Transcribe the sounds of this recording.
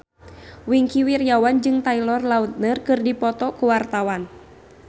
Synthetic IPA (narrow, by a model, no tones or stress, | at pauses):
wiŋkiwirjawand͡ʒɨŋt̪ailɔrlaut̪̚nɨrkɨrdipɔt̪ɔkuwart̪awan